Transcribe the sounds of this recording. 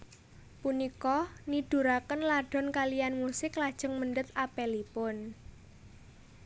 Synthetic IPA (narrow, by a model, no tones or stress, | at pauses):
punikɔnid̥ṳɾakənlaɖ̥ɔ̤nkalijanmusɪklad̥ʒ̥əŋməɳɖət̪̚apɛlipʊn